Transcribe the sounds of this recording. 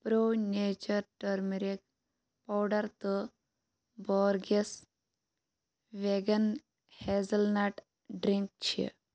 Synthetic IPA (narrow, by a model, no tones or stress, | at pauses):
pɾoneːt͡ʃəɾʈəɾmiɾek | pawɖɐɾt̪ə | bɔːɾɡes | ʋeɡɐn | hezəlnaʈ | ɖɾiŋk̚t͡ʃʰḭ